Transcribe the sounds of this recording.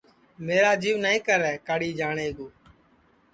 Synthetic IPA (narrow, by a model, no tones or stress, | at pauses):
meːɾaːd͡ʒiːʋnəĩːkəɾɛːkaɽiːd͡ʒaːɳeːɡoː